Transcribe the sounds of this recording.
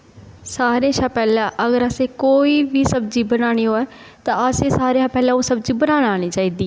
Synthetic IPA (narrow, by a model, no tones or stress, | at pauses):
saːɾeãʃaːpɛːlãːʔəɡəɾəseːkoːiːʋiːsəbd͡ʒiːbənaːɽ̃iːɦoːɛː | t̪ãːəseːsaːɾeãːpɛːlãːoːsəbd͡ʒiːbənaːɽaːɽ̃iːt͡ʃaːiːd̪iː